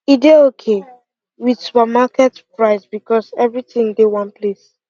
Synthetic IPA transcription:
ideokʰe | wisupəmakɛtpɹaɪsbikɔsɛvɹitĩŋdewɔ̃npʰles

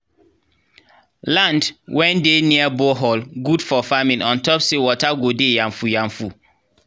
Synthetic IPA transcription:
lãndwɛ̃ndeniaboɦɔlɡudfɔfamĩnɔ̃ntɔpsewɔtaɡodejãɱfujãɱfu

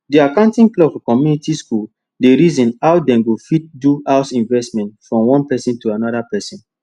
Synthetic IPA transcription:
diakãʊ̃ntĩŋklɔbfɔkɔmjunitiskul | deɹizɔ̃nawdɛ̃mɡofit̚duhaʊsĩnvɛstmɛ̃ntfɹɔ̃mwɔ̃npɛsĩntuanɔdapɛsĩn

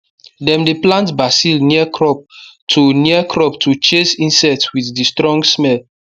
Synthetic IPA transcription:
dɛ̃mdeplãntbasilniəkʰɹɔp̚tʰuniəkʰɹɔptʰut͡ʃesĩnsɛtwiθdistɹɔ̃ŋɡsmɛl

